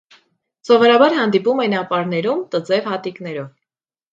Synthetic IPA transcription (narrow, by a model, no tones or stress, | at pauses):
sɔvɔɾɑbɑɾɦɑnd̪ipumɛnɑpɑɾn̪ɛɾumt̪əd͡zɛvhɑt̪iknɛɾɔv